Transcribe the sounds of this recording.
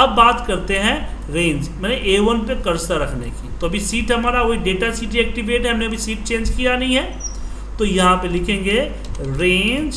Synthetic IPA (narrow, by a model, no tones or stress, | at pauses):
ɐbːaːt̪kɐɾt̪eɦɛ̃ | ɾẽːnd͡ʒmɛːneʔeːʋənpekɐɾsaɾɐkʰnekit̪oɐbʱisiːʈɦɐmaːɾaʋoiɖeːʈasiːʈ̬iɛːk̚ʈiʋeːʈɦɛɦɐmneɐbʱisiːʈ̚t͡ʃẽːnd͡ʒkijanɐɦĩɦɛ̃ː | t̪ojɐɦãpelɪkʰẽːŋɡe | ɾẽːnd͡ʒ